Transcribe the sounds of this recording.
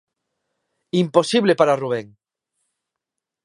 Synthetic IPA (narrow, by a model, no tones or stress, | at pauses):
imposiβlepaɾaruβ̞eŋ